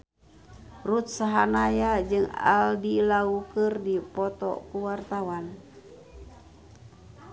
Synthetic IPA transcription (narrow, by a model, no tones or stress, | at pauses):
rut̪̚saɦanajad͡ʒɨŋa̰ldilaukɨrdipɔt̪ɔ̰kuwart̪awan